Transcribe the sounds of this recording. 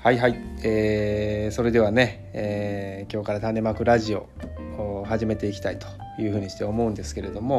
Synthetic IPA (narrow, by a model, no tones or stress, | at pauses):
haiɦaieːso̞ɾe̞d̪e̞β̞ane̞ | eːkʲo̞ːkaɾat̪ãnːe̞makɯ̟ɾaʑio̞ | haʑime̞t̪e̞ikʲi̥t̪ait̪o̥ | jɯ̟ːɸɯ̟ːɲ̟iɕi̥t̪eo̞mo̞ɯ̃nd̪e̞sɨ̥ke̞ɾe̞d̪o̞mo̞